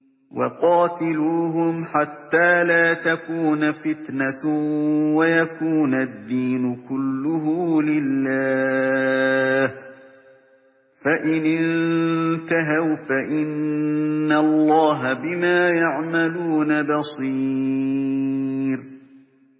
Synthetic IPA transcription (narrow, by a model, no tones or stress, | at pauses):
wɑ̰qɑːt̪ɪluːɦʊmħat̪ːaːlaːt̪akuːnafɪt̪na | wajakuːnad̪ːiːnʊkʊlːʊɦʊlɪlːaː | h | faʔɪnɪnnt̪aɦawfaʔɪnː | alˤːɑːɦabɪmaːjaʕmaluːnabɑsˤiː | ɾ